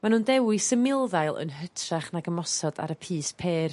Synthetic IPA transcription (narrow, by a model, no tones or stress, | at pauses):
manuːndɛwɨsəmɪlˠðajlˠə̰nɦətʰraχnaɡəmɔsɔda̰ɾəpʰiːspʰeːr